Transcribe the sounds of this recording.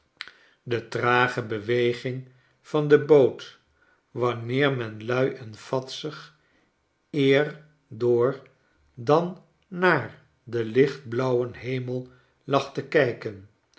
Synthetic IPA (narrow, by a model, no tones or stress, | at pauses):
dətraːχəbəʋejχɪŋ | fɑndəboːt | ʋɑnɪːɹmɛnlœɥʔɛnfɑtsəχ | ɪːɹ | dʊːɹ | dɑnː | aːɹ | dəlɪχd̚blʌwənɦejməlˠ | lɑχtəkɛjkən